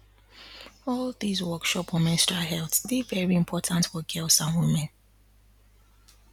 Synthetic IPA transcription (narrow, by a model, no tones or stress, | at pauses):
ɔlˠðizwɜˑkʃɔpwɔmɛ̃nstaɦɛlˠθbivɛɹiɪ̃mpʰɔtʰə̃ntfɔɡɪlˠsãnwɪmɛ̃n